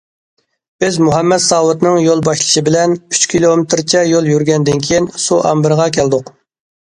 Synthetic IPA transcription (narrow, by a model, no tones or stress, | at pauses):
b̥ɪzmuɦɛmːɛd̪sɑːwut̪nɨŋjolˠbɑʃlˠɨʃɨbɪlɛny̥t͡ʃkʲʰilˠomɪt̪ʰɾt͡ʃʰɛjolˠjyɾɡʲɛnd̪ɪnkʲʰijinsuʔɑ̰mbɨɾʁɑkʲʰæld̪ʊq